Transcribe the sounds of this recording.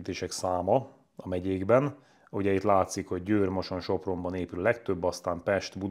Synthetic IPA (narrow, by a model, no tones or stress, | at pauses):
t̪eːʃɛksaːmɒ | ɒmɛɟeːɡbɛn | uɟɛjit̪laːt̪sikho̞ɟːøːrmoʃo̞nʃo̞pro̞mbɒneːpyllɛk̚t̪øbːɒst̪aːmpɛʃt̪bu